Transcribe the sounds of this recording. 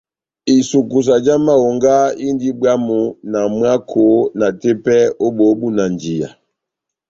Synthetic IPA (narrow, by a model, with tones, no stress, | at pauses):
i˨su˨ku˨s̬a˨d͡ʒa˦ma˦wo˨ŋɡa˦i˦ndi˦bwa˦mu˨na˨mwa˦kʰo˨˦na˨te˦pɛ˦o˦bo˨˦bu˦na˨nd͡ʒi˨ja̰˨